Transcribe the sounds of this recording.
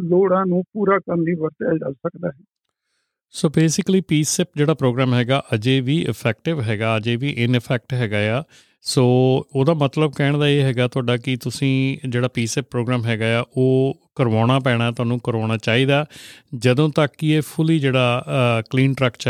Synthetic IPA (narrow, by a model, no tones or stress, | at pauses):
loːɽãːnũːpuːɾaːkəɾmʋiːʋəɾt̪aːd͡ʒə̰lsəkd̪aːɦɛː | soːbeːsɪkliːpiːsɛːp̚d͡ʒeːɽaːpɾoːɡɾaːmɦɛːɡaːʔəd͡ʒeːʋiːʔɪ̰pʰɛːk̚ʈɪʋɦɛːɡaːəd͡ʒeːʋiːʔɪnɪpʰɛːk̚ʈɦɛːɡaːjaː | soːoːd̪aːmət̪ləb̚kɛːɳd̪aːeːɦɛːɡaːt̪ʊaːɖaːkɪt̪ʊsĩːd͡ʒeːɽaːpiːsɛːpːɾoːɡɾaːmɦɛːɡaːjaːʔoːkəɾʋaːɽ̃aːpɛːɽ̃aːt̪ʊaːnũːkəɾʋaːɽ̃aːt͡ʃaːiːd̪aːd͡ʒəd̪õːt̪əkːɪeːpʰʊliːd͡ʒeːɽaːkliːnʈɾəkt͡ʃ